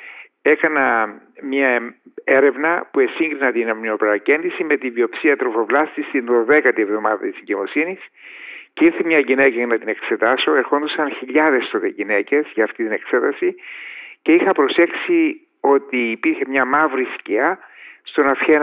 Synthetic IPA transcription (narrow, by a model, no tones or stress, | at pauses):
e̞kɐnɐmɲɐ | e̞ɾe̞vnɐpue̞siŋɡɾinɐt̪inɐmnio̞peɾɐce̞nd̪isime̞t̪ivio̞psiɐt̪ɾo̞fo̞vlɐst̪ist̪inðo̞ðekɐt̪ie̞vðo̞mɐðɐt̪iseɲɟemo̞sinis | ceiɾθemɲɐʝinekɐnɐt̪ine̞kse̞t̪ɐso̞e̞ɾxo̞nd̪usɐnçiʎɐðe̞st̪oðeʝinece̞zʝɐːft̪it̪ine̞kse̞t̪ɐsice̞ixɐpɾo̞se̞ksi | o̞t̪iːpiɾçe̞mɲɐmɐvɾisciɐst̪o̞nɐfçe